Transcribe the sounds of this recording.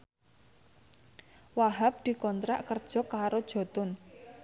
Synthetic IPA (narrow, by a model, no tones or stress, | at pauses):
waɦap̚d̪̥i̤kɔnt̪ɾa̰ʔkərd̥ʒ̥ɔ̤kaɾod̥ʒ̥ɔ̤t̪ʊn